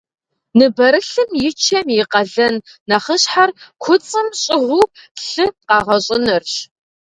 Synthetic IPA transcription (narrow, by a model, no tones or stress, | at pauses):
nɨbɐɾɨɬɨmjɪt͡ʃʰɐmjɪqɐɮɐnː | ɐχəɕħarkʷʰʊt͡sʼɨmɕʼɪʁʷuɬɨqɑːʁɐɕʼɪnɐrɕ